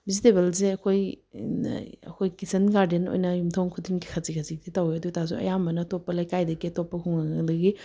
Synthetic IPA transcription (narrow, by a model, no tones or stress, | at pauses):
bizitebelzeɐkʰoj̰ | ɐ̰kʰojkisɐnɡaɾdeno̰jnɐjumtʰawnkʰutʰinɡikʰazikʰazik̚dʰitawiɐdutazṵɐ̰jambɐnɐtopːɐlajkajdɐɡiɐtopːɐkʰuŋaŋɐdɐɡi